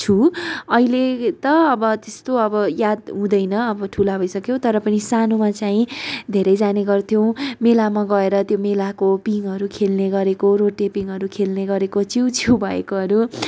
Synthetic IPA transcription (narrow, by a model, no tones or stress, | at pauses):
t͡sʰuʌilet̪ʌːbʌt̪est̪oʌbʌjad̪ɦũd̪ʌjnʌʌbʌʈʰulabʱʌjsʌkjowt̪ʌɾʌpʌnisanomat͡saĩd̪ʱeɾʌjd͡zaneɡʌrt̪ʰjow̃melamaɡʌeɾʌt̪jomelakopiŋʌɾukʰelneɡʌɾekoɾoʈepiŋʌɾukʰelneɡʌɾekot͡siwt͡sʰubʱʌḛkoɦʌɾu